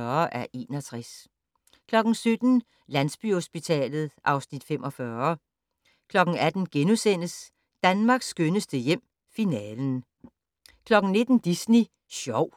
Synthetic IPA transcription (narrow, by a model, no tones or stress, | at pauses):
ɐʔæɐʔe̝̰ːnɒt͡sʰʁas | kʰlɒ̽ɡ̥n̩sød̥n̩ | lænsb̥yho̝sb̥it͡sʰɛ̰ːlð̞̩ˠʔɑ̈ʊsnid̥fem̰ʔɒ̽fɶːɐ | kʰlɒ̽ɡ̥n̩æd̥n̩ɡ̥enusen̰əs | d̥ænmɑ̈ɡ̥sːɡ̥ønəsd̥əjem̰ | finɛːln̩ | kʰlɒ̽ɡ̥n̩ne̝d̥n̩d̥isni | ɕɒʊ̰